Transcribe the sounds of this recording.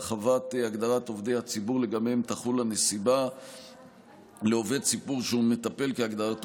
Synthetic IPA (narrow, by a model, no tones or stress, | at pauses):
χavat̪aɡd̪aʁat̪o̞vd̪ejhat͡sibuʁleɡamemt̪aχulane̞siba | leo̞ve̞d̪sipuʁʃeume̞t̪ape̞lkeaɡdaʁat